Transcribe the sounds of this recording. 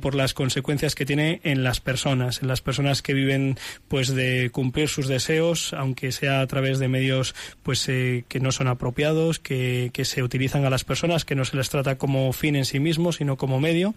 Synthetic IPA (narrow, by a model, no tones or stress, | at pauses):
po̞ɾlasko̞nse̞kwe̞n̟θjaske̞t̪je̞ne̞ːnlaspe̞ɾso̞nase̞nlaspeɾso̞naske̞β̞iβ̞e̞npwe̞zðe̞kumpliɾsuzðe̞se̞osawŋke̞se̞aːt̪ɾaβ̞e̞zðe̞me̞ðjo̞spwe̞seke̞no̞so̞napɾo̞pjað̞o̞skeke̞se̞ut̪iliθaŋalaspe̞ɾso̞naske̞nose̞lest̪ɾat̪ako̞mo̞fine̞nsimizmo̞sino̞ko̞mo̞me̞ð̞jo